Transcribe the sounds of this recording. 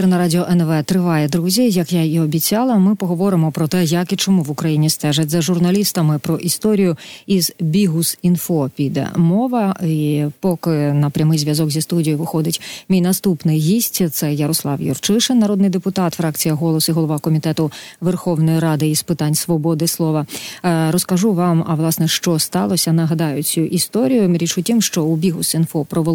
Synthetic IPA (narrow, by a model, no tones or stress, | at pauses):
ɾnɐɾɑdʲɪɔʔɛnʋɛt̪ɾɪʋɑjɛd̪ɾuzʲijɐkjaiɔbʲit͡sʲɑlˠɐmɪpɔɦɔʋɔɾɪmɔpɾɔt̪ɛjɐkit͡ʃɔmuʋʊkɾɐjinʲist̪ɛʒɐtʲzɐʒʊrnɐlʲist̪ɐmɪpɾɔʔist̪ɔɾʲijʊizbʲiɦusinfɔpʲid̪ɛ̰mɔʋɐipɔkɪnɐpɾʲɐmɪjzʲʋʲjɐzɔkzʲist̪udʲijiʋɪxɔd̪ɪtʲmʲijnɐst̪upnɪjɦʲisʲtʲt̪sɛjɐɾɔslˠɑwjɔ̰rt͡ʃɪʃɪnːɐɾɔd̪nɪjd̪epʊt̪ɑt̪fɾɑkt͡sʲijɐɦɔlˠɔsiɦɔlˠɔʋɑkɔmʲit̪ɛt̪ʊʋerxɔwnɔjiɾɑd̪ɪispɨt̪ɑnʲsʋɔbɔd̪ɪslˠɔʋɐɾɔskɐʒuʋɑmɐʋlˠɑsnɛʃt͡ʃɔst̪ɑlˠɔsʲɐnɐɦɐd̪ɑjʊt͡sʲuʔist̪ɔɾʲijʊɾʲit͡ʃʊtʲimʃt͡ʃɔubʲiɦʊsinfɔpɾɔʋ